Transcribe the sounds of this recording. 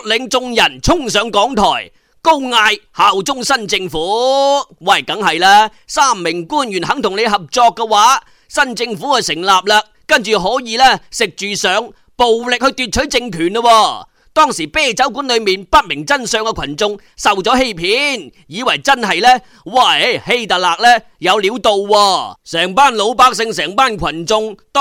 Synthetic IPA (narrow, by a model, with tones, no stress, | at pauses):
lɪ˨˥ŋt͡sʊ˧ŋjɐ˨˩nt͡sʰʊ˥ŋsœː˨˧ŋkɔː˨˥ŋt̪ʰɔ̰ː˨˩j | ko˥wŋaː˧jhaː˨wt͡sʊ˥ŋsɐ˥nt͡sɪ˧ŋfuː˨˥wɐ˨˩kɐ˨˥ŋhɐ˨jlɛː˥ | saː˥˩mːɪ˨˩ŋkuː˥˩njyː˨˩nhɐ˨˥ŋt̪ʰʊ˨˩ŋne˨˧jɦɐ˨p̚t͡sɔː˧kːɛ˧waː˨˥ | sɐ˥nt͡sɪ˧ŋfuː˨˥hɐ˨sɪ˨˩ŋlaː˨p̚lɐː˨˧k | kɐ˥nt͡ʃyː˨˩ɦɔː˨˥jiː˨˧lɛː˥sɪ˨k̚t͡ʃyː˨sœː˨˧ŋ | po˨wlɪ˨k̚hɵ˧ɥt̪yː˨˧t̚t͡ʃʰɵ˨˥ɥt͡sɪ˧ŋkʰyː˨˩nɐ˧wɔː˧ | t̪ɔː˥˩ŋsiː˨˩pɛː˥˩t͡sɐ˨˥wkuː˨˥nlɵ˨˧ɥmiː˨˩npɐ˥t̚mɪ˨˩ŋt͡sɐ˥nsœː˧ŋkɛ˧kʰɐ˨˩nt͡sʊ˧ŋ | sɐ˨wt͡sɔː˨˥he˥jpʰiː˨˥n | jiː˨˧wɐ˨˩jt͡sɐ˥nɦɐ˨jlɛː˥ | waː˧˩e˥he˧˥jt̪ɐ˨t̚laː˨k̚lɛː˥ | jɐ˨˧wliː˨˥wt̪o˨˧wwɔː˧sɛː˨˩ŋpaː˥˩nlo˨˥wpaː˥k̚sɪ˧ŋsɛː˨˩ŋpaː˥nkʰwɐ˨˩nt͡sʊ˧ŋt̪